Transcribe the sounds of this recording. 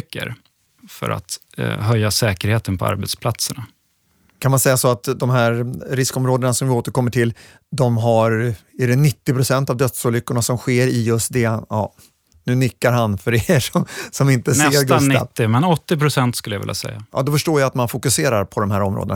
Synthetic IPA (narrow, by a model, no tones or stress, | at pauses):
kːə̰ɾ | fœ̰ɾa̰t̪ | ɦœjːasɛːkəɾheːt̪ənpʰɔa̰ɾbɛt̪spʰlat̪səɳa | kʰanmansɛjːasɔat̪d̪ɔmɦæːɾɾɪskɔmɾoːd̪ənasɔmvɪoːt̪əɾkɔmːəʈʰɪl | d̪ɔmɦaɾɛɖɛnɪt̪ːɪpʰɾʊsɛnt̪avd̪œt̪sɔːlʏkːʊɳasɔmɧeːɾɪjɵst̪̚d̪ɛj̰ː | nʉ̟ːnɪkːaɾɦanfœɾeʂɔmsɔmɪnt̪əsɛeːɾɡ̪aa̰ːɪmɛnɔt̪ːɪpʰɾʊsɛnt̪skɵləjavɪ̰ljːʔa̰sɛ̰jːajʔɑ̰ːd̪ɔfœʂʈoːjaat̪manfʊkɵseːɾaɾpʰɔd̪ɔmɦæːɾɔmɾo̰ːd̪ə̰na